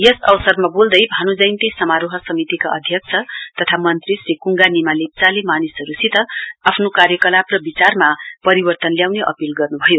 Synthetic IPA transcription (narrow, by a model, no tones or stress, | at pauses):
jʌsʌwʌsʌrmabold̪ʌjbʱanod͡zʌjnt̪esʌmaɾoɦʌsʌmit̪ikaʌ̰d̪ʱjʌk̚t͡sʰʌt̪ʌt̪ʰamʌnt̪risrikuŋɡanimalet͡salemanisʌɾusit̪ʌapʰnokaɾjʌkʌlaprʌbit͡sarmapʌɾibʌrt̪ʌnljawneʔʌ̰pilɡʌrnubʱʌjo